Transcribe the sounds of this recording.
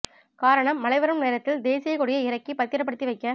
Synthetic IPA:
kaːɾɐɳɐmːɐlɐɪʋɐɾɯmneːɾɐt̪ːɪld̪eːsɪjɐkʊɽɪjɐɪɾɐkːipɐt̪ːɪɾɐp̬ːɐɽɯt̪ːiʋɐɪkːɐ

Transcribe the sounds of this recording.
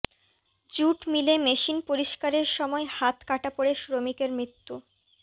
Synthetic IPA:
d͡ʑuʈmilemeʃinpoɾiʃkaɾeɾʃɔmɔehat̪kaʈapoɽeʃɾomikeɾmɾit̪ːu

